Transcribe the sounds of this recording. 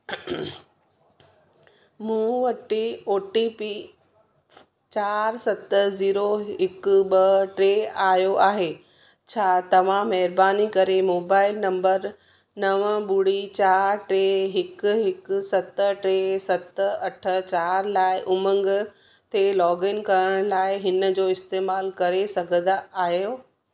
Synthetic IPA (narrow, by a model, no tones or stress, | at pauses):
mũːʋɐʈioːʈipi | t͡ɕaːɾsɐt̪ziːɾoɦɪkɓɐʈɾeːaːjoʔaːɦeː | t͡ɕʰaːt̪ɐʋ̤ãmɐɦɾbaːnikɐɾemoːbaːɪlnɐ̃mbəɾ | nɐʋəɓuɽit͡ɕaːɾʈɾeːɦɪkɦɪksɐt̪əʈɾesɐt̪ɐʈʰə̆t͡ɕaːɾlaːɪʔʊmə̃ŋɡ | t̪ʰelɔːɡɪnkɐɾəɽ̃laːɪɦɪnəd͡ʑoːɪst̪eːmaːlkɐɾesɐɡʱə̃nd̪aʔaːɦjjoː